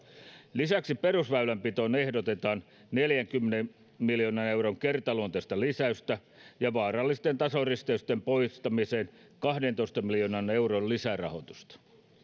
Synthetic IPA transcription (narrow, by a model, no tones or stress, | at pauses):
lisæksiperusʋæylæmpit̪o̞ne̞hdot̪et̪ɑːn | neljæŋkymːenem | miljonɑne̞uwɾoŋkert̪ɑlunt̪est̪ɑlisæyst̪æ | jɑʋɑːrɑlːist̪ent̪ɑsorist̪eyst̪empoist̪ɑmiseːn | kɑhdent̪oist̪ɑmiljonɑne̞wrollisærɑ̰ho̞t̪ust̪ɑ̥